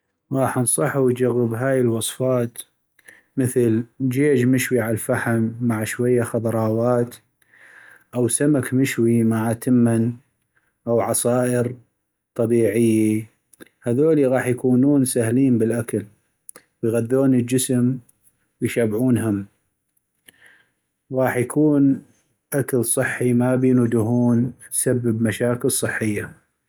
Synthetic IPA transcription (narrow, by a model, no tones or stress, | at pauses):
ɣɑːħnsˤɑħuwd͡ʒaɣːəbɦaːjəlwɑsˤfɑːt̪ | mɪθɪld͡ʒeːd͡ʒmɪʃwiʕalfaħamːaʕʃwajːaxɑðˤɾˤɑːwɑːt̪ | ʔawsamakmɪʃwimaʕat̪ɪmːan | ʔawʕɑsˤɑːʔɪɾ | t̪ˤɑbiːʕɪjːa | haðoːliɣɑːħjakuːnuːnsahliːnbəlʔakal | wjɣad̪ːoːnəld͡ʒɪsm | wjʃabʕuːnɦʊm | ɣɑːħjakʰuːn | ʔakalsˤɨħːimabinud̪ʊɦuːnsabːɪbmaʃaːkɪlsˤɨħːɪjːa